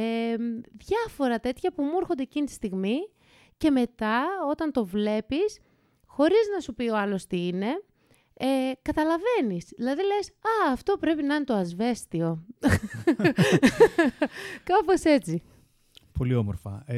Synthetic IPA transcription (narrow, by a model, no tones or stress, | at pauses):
eðʝɐfo̞ɾɐt̪e̞t̪çɐpumuɾxond̪eːcinit̪i̥st̪iɣmi | ce̞me̞t̪ɐo̞t̪ɐnt̪o̞vle̞pis | xo̞ɾiznɐsupio̞ɐlo̞st̪iine̞ | ekɐt̪ɐlɐve̞nisðilɐðile̞jsɐːft̪o̞pɾe̞pinɐinet̪oɐzve̞st̪io̞ | kɐpo̞se̞t͡si | pʰo̞liomoɾfɐ̰